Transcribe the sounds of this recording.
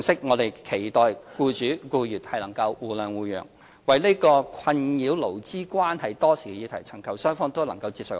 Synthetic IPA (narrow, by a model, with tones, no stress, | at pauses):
ŋsɪ˥k̚ŋɔː˨˧t̪e˨jkʰe˨˩jt̪ɔː˨jkuː˧t͡ʃyː˨˥kuː˧jyː˨t̚hɐ˨jlɐ˨˩ŋkɐ˧wwuː˨˩lœː˨˩ŋwuː˨˧jœ̰ː˨˩ŋ | wɐ˨jle˥kɔː˧kʰɐ˧njiː˨˥wlo˨˩wt͡siː˥kʷaː˥nhɐ˨jt̪ɔː˥siː˨˩ɡɛ˧jiː˨˧t̪ʰɐ˨˩jt͡sʰɐ˨˩ŋkɐ˨˧wsœː˥ŋfɔː˧ŋt̪o˥wlɐ˨˩ŋkɐ˧wt͡siː˧pso˨˩